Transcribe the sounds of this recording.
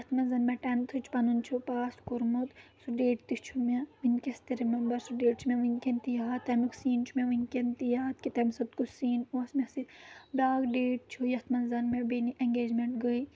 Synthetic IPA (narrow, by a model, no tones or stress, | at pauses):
jɐt̪ʰmɐnzɐnmeʈɐnt̪ʰut͡ʃʰpɐnunt͡ʃʰupaːskuɾmut̪suɖeːʈ̚t̪it͡ʃʰumeʋinʲkʲest̪iɾimɐmbɐɾsuɖeːʈ̚t͡ʃʰumeʋinʲkʲent̪ijaːt̪t̪ːɐmiksiːnt͡ʃʰumeʋinkent̪ijaːt̪̚kit̪ɐmsɐb̚t̪kusiːnosmesibaːɡɖeːʈ̚t͡ʃʰujɐt̪ʰmɐnzɐnmebeniʔeŋɡeːd͡ʒmeɳʈɡɐi